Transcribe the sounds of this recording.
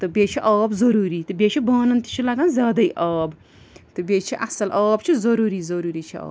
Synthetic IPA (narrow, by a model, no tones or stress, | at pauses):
t̪ɨbeːt͡ʃʰiʔaːbzɐɾuːɾiːt̪ɨbeːt͡ʃʰibaːnɐnt̪i̥t͡ʃʰilɐɡɐnzʲjaːd̪ɐiʔaːb | t̪ɨbeːt͡ʃʰiʔɐsɐlʔaːbt͡ʃʰizɐɾuːɾiːzɐɾuːɾiːt͡ʃʰia̰ː